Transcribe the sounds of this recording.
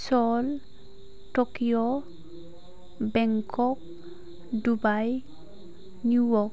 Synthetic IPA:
sɔl | tɔkijɔ | bɛŋkɔk̚ | dubaj | njujɔk

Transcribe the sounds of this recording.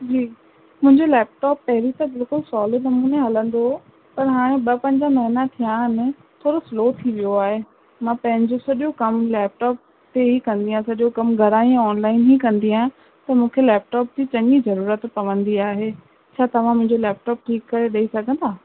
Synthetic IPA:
d͡ʑiː | mʊ̃ɦɪ̃ɲd͡ʑolɛːp̚ʈɔːpːɐɦɪɾit̪ãbɪlkʊlsɔːlɪɖnɐmuːneɦɐlə̃nd̪o | pɐɾɦaːɽ̃ẽɓɐpɐ̃ɦɲd͡ʑamɐɦɪnat̪ʰijãɦɪnɪ̆ | t̪ʰoːɾosloːt̪ʰiʋijoaːɦe | mãpɐ̃ɦɪ̃ɲd͡ʑosɐɗokɐmlɛːp̚ʈɔːp̚ | t̪eɦikɐ̃nd̪iɦãsɐɗjokɐmɡʱɐɾaːĩɔːnlaːɪnɦikɐ̃nd̪iaːɦɪ̃ | t̪ɐmũːkʰelɛːp̚ʈɔːp̚d͡ʑit͡ɕɐɲizɐɾuːɾət̪pɐʋə̃nd̪iaːɦe | t͡ɕʰaːt̪ɐʋ̤ãmʊ̃ɦɪ̃ɲd͡ʑolɛːp̚ʈɔːp̚ʈʰiːkːɐɾeɗɐisɐɡʱə̃nd̪aː

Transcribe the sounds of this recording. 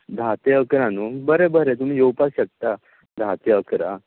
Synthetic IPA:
d̪ʱat̪eəkɾanubəɾebəɾet̪um̤iːjowpasɕək̚t̪a | d̪ʱat̪eəkɾa

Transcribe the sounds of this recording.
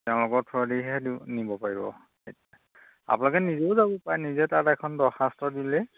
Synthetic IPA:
tɛʊ̃lʊkɔɹtʰɔdiɦɛdinibɔpaɹibɔ̰ | etia | a̰punlɔkɛnizɛʊzabɔpajnizɛtatɛkʰɔndɔɹxastɹɔdilɛ

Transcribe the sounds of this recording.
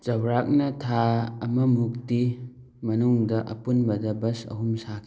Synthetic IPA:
d͡ʒɐwɾak̚nɐtʰaːmɐmuk̚ti | mɐnuŋdɐʔɐ̰punbɐdɐbɐsɐ̰ɦumsakʰi

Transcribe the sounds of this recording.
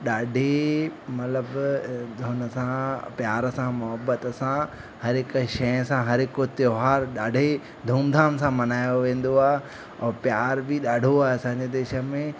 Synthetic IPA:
ɗaːɖʱemɐt̪ləbd̪ʱʊnəsãpjaːɾəsãmʊɦəbət̪sã | hɐɾɦɪkʃɐjə̃sãɦɐɾɦɪkot̪joːɦaːɾɗaːɖʱe | d̪ʱuːmd̪ʱaːmsãmɐnaːjoʋẽːn̆d̪oaːɦe | ɔːpjaːɾbɪɗaːɖʱoaːɦeɐsãɲd͡ʑed̪eːʃə̆mẽ

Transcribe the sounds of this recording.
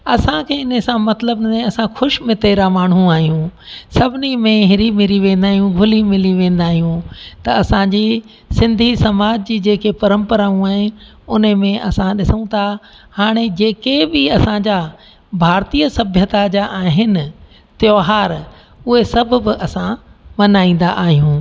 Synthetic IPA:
ɐsãkʰeːɪnsãmɐt̪ləbnẽɐsãxʊʃmɪt̪eːɾamaːɳ̤̃ũaːɦijũsɐbʱɪnimẽɦɪɾimɪɾiʋẽːnd̪aːɦijũɡʱʊlimɪliʋẽːnd̪aːɦijũt̪ɐɐsãd͡ʑi | sɪ̃nd̪ʱisɐmaːd͡ʑd͡ʑiːd͡ʑeːkepɐɾə̃mpəɾaːũaːɦɪ̃n | ʊnmẽʔɐsãɗɪsəũt̪ʰa | haːɽ̃ed͡ʑeːkebɪɐsãɲd͡ʑaː | bʱaːɾt̪iːəsɐbʱjət̪ad͡ʑaʔaːɦɪnɪ̆ | t̪joːɦaːɾ | ʊɦesɐbʱʊbɪʔɐsãmɐnaːĩːn̆d̪a̰ʔaːɦijũː

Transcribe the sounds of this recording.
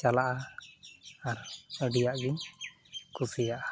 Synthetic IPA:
t͡ʃalaʔa | aɾəɖijaʔɡiɲ | kʰusijaʔa

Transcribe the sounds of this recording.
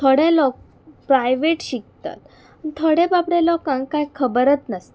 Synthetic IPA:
t̪ʰoɽẽlɔk̚ | pɾajʋeʈɕik̚t̪a̰t̪ | t̪ʰoɽẽbabɽelɔkãŋkkajkʰəbəɾət̪nəst̪a

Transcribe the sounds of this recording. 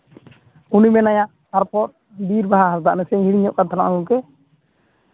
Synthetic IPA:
unibɛnajã | aɾpɔt̚ | biɾbaɦaɦaɾd̪aʔnɛsɛ̃ɦiɽiɲɔʔkat̪ʰala̰ʔɡukɛ

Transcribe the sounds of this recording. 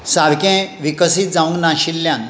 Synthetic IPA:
saɾkɛ̃ʋikəsiːt̪̚d͡zaʋũŋɡnãɕilːjãn

